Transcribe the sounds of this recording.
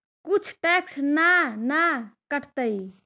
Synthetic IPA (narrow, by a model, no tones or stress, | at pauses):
kut͡ʃʰʈɛksnanakəʈt̪əj